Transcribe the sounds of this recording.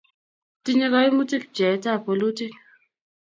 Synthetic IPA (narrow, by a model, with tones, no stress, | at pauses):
ti˦ɲe˦ka˦i˦mu˦ti˦k̚d͡ʒɛ˨˦ta˦˨po˨lu˦ti˦k